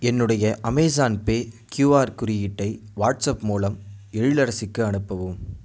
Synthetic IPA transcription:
ɛnːɯɽɐjɐʔɐmɛːs̬aːnpeːkjuːaːɾkʊɾɪjɪʈːɐɪʋaːʈsɐpmuːlɐmɛɻɪlɐɾɐsɪkːɯɐɳɯpːɐʋɯm

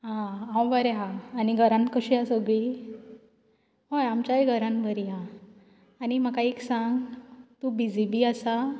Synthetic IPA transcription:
ɦããw̃ʋəɾeɦãːniɡʱəɾãnkəɕiasəɡɭi | ɦojamt͡ɕaeɡʱəɾãnbʱəɾiɦaː | niməkaiksãŋɡt̪ubid͡zibiːəsa

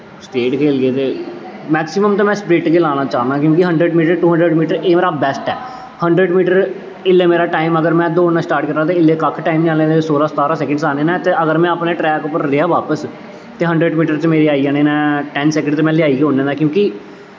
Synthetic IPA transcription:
sʈeːʈkʰeːlɡeːt̪eːmɛːksɪməmt̪ãːmɛ̃ːspɾeːʈkeːlaːnaːt͡ʃaːnd̪aːkjõːkiɦəɳɖɾəɖmiːʈəɾʈuːɦə̃ɳɖɾəɖmiːʈəɾeːmeːɾaːbɛːsʈɛː | həɳɖɾəɖmiːʈəɾ | ɪlːeːmeːɾaːʈaːiməɡəɾmɛ̃ːd̪oːɳːãːsʈaːɾʈ̚kəɾaːt̪eːɪlːeːkəkʰʈaːimnĩaːlẽːesoːɾaːst̪aːɾaːsɛːkə̃ɳɖsaːneːnɛ̃ːt̪eːəɡəɾmɛ̃ːəpneːʈɾɛːkʊpːəɾɾɪaːʋaːpəs | t̪eːɦə̃ɳɖɾəɖmiːʈəɾt͡ʃmeːɾiːaːiaːneːnɛːʈɛːnsɛːkə̃ɳɖt̪eːmɛ̃ːlɪjaːiːkːɦõːneːnaːkjõːki

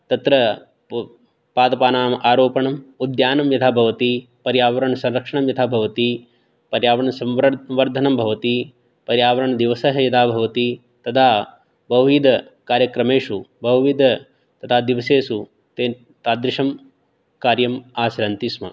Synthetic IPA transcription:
t̪ɐt̪ɾɐ | paːd̪ɐpaːnaːmɐʔaːɾoːpɐɳɐmud̪jaːnɐmjɐt̪ʰabʱɐʋɐt̪i | pɐɾjaːʋɐɾɐɳɐsɐ̃nɾɐkʂɐɳɐmjɐt̪ʰaːbʱɐʋɐt̪i | pɐɾjaːʋɐɾɐɳɐsɐmʋʋɐɾd̪ʱɐnɐmbʱɐʋɐt̪i | pɐɾjaːʋɐɾɐɳɐd̪iʋɐsɐɦɐjɐd̪aːbʱɐʋɐt̪i | t̪ɐt̪ʰaː | bɐʋʋiːd̪ʱɐ | kaːɾjɐkɾɐmeːʂubɐʋʋid̪ɐ | t̪ɐt̪ʰaːd̪iʋɐseːsu | t̪e | t̪aːd̪ɾɪʂɐm | kaːɾjɐmaːsɾɐnt̪ismɐ̰

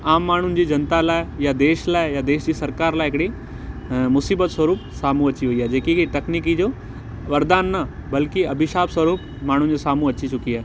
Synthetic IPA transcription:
aːmːaːɳ̤ʊnɪ̆d͡ʑiːd͡ʑɐnt̪alaːɪjad̪eːʃlaːɪjad̪eːʃd͡ʑiːsɐɾkaːɾlaːɪɦɪkɽi | mʊsiːbət̪swɐɾuːpsaːmũɐt͡ɕiʋɐiaːɦed͡ʑeːkit̪ɐkniːk̬id͡ʑoː | ʋɐɾd̪aːnːɐbɐlkiɐbʱɪʃaːbswɐɾuːp | maːɳ̤ʊnɪ̆d͡ʑoːsaːmũɐt͡ɕit͡ɕʊkiaːɦe

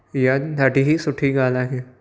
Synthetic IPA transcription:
jad̪ɐʈiɦisʊʈʰiɡaːlakɛ

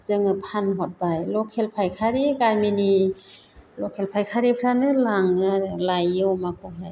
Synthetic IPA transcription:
zɯŋɯpʰanɦɔt̚bajlɔkʰelpʰajkʰaɾiɡamini | lɔkʰelpʰajkʰaɾipʰɾanɯlaŋɯlajɯwmakʰɔɦaj

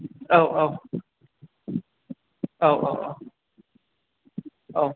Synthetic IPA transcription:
oʊʔoʊ | oʊʔo̰ʊʔoʊ | ʔoʊ

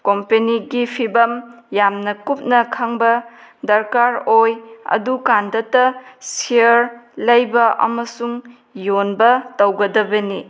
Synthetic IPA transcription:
kompeniɡipʰibɐm | jamnɐkup̚nɐkʰɐŋbɐdɐɾkaɾojɐ̰dukandɐtɐsiəɾlɐjbɐʔɐ̰mɐsuŋ | jonbɐtɐwɡɐdɐbɐni

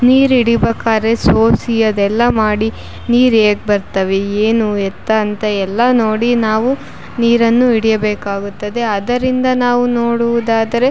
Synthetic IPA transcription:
niːɾiɽibɐkaːɾesoːsijɐd̪ɛlːɐmaːɽi | niːɾeːɡ̚bɐɾt̪ɐʋeeːnuɛt̪ːɐːnt̪ɐɛlːɐno̞ːɽinaːʋu | niːɾɐnːuiɽijɐbeːkaːɡut̪ːɐd̪e̞ɐd̪ɐɾind̪ɐnaːʋuno̞ːɽuʋud̪aːd̪ɐɾe̞

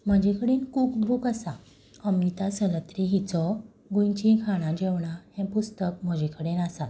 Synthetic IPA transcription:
m̤əd͡ʑikəɽiːnkuːkbʱuːkəsã | əmit̪asələt̪ɾiɦit͡sɔ | ɡũjt͡ɕĩkʰaɽ̃ãd͡ʑeʋɳahɛ̃pust̪ək̚m̤əd͡ʑikʰəɽenasat̪

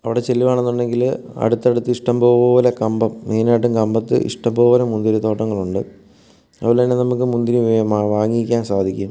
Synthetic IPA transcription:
ɐʋiɽe̞t͡ɕelːiʋaːɳe̞nːuɳɖe̞ŋɡil | ɐ̰ɽut̪ːɐɽut̪ːɨiʂʈɐmboːʋoːʋɐlɐkɐmbɐmːiːnaːʈ̬ːumkɐmbɐt̪ːɨ̰ʔḭʂʈɐmboːʋɐlɐmund̪iɾut̪o̞ːʈːɐŋːɐɭuɳɖɨ | ɐ̰ʋilnːenɐmuk̬ːɨmund̪inɨʋaːŋːiikʲːaːnsaːd̪ʱikʲːum

